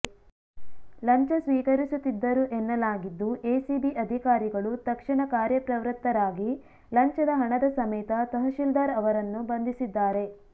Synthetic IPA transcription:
lɐɲt͡ʃɐsʋiːkɐɾisut̪ːid̪ːɐɾuʔɛnːɐlaːɡid̪ːuʔeːsibiʔɐd̪ʱikaːɾiɡɐɭut̪ɐkʂiɳɐkaːɾjɐpɾɐʋɾɨt̪ːɐɾaːɡi | lɐɲt͡ʃɐd̪ɐɦɐɳɐd̪ɐsɐmɐjt̪ɐt̪ɐɦɐʃild̪aːɾɐʋɐɾɐnːubɐnd̪isid̪ːaːɾe̞

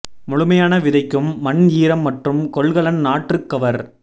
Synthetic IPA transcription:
mʊɻʊmɐjaːnɐʋɪðɐɪkːɯmːɐɳjiːɾɐmːɐʈrɯmkɔɭɣɐɭɐnnaːʈrɯkːɐʋɐɾ

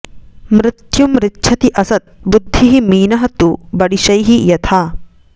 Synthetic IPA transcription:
mɾɪt̪jumɾɪtːʃʰɐt̪iʔɐsɐt̪̚bud̪ʱːiɦimiːnɐɦɐt̪ubɐɽiʃɐjɦijɐt̪ʰaː

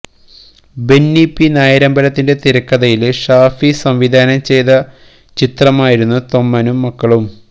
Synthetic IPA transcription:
be̞nːipːinaːjɐɾɐmbɐlɐt̪ːinde̞t̪iɾɐkːɐðɐjilʂaːfisɐmʋid̪ʱaːnɐmt͡ɕe̞jðɐ | t͡ɕit̪rɐmaːjiɾunːut̪o̞mːɐnumːɐkːɐɭum

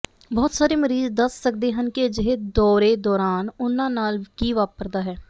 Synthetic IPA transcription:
bɔːt̪saːɾeːməɾiːzd̪əsːəkd̪eːɦənkɪd͡ʒɪɦed̪ɔːɾeːd̪ɔːɾaːnʊnãːnaːlkiːʋaːpəɾd̪aːɦɛː

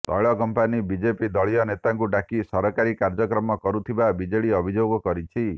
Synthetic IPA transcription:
t̪ɔ̰jɭɔkɔmpanibid͡ʒepid̪ɔɭijɔnet̪aŋkuɖakisɔɾɔkaɾikaɾd͡ʒɔkɾɔmɔkɔɾut̪ʰibabid͡ʒeɭiɔbʱid͡ʒoɡɔkɔɾit͡ʃʰi

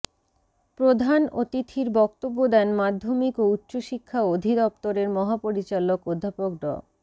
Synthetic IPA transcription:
pɾod̪ʱanot̪it̪ʰiɾbɔk̚t̪obːod̪ɛnmad̪ʱːomikout̪ːɕoʃikʰːaod̪ʱid̪ɔp̚t̪oɾeɾmɔɦapoɾit͡ɕalokod̪ʱːapok̚ɖɔ̰

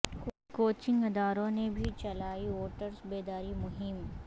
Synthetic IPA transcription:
koːt͡ʃɪ̃ŋɡɐd̪aːɾõnebʱit͡ʃɐlaːioːʈəɾsbeːd̪aːɾimʊɦɪm

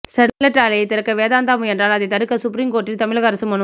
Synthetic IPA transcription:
sɐɾlɐʈːaːlɐjɐt̪ɪɾɐkːɐʋeːðaːnd̪aːmɯɛndraːlɐðɐɪt̪ɐɾɯkːɐsʊp̬ɾiŋɡkoːʈːilt̪ɐmɪɭɐɣɐɾɐsɐmːɐnɯ

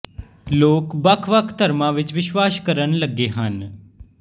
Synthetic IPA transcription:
loːkbəkʰʋəkʰt̪əɾmãːʋɪt͡ʃʋɪʃwaːskəɾənləɡeːɦən

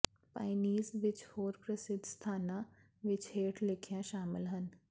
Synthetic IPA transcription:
pa̰ːɪniːzʋɪt͡ʃhoːɾpɾəsɪd̪st̪ʰaːna | ʋɪt͡ʃɦeːʈlɪkʰjãʃaːmɪlɦən

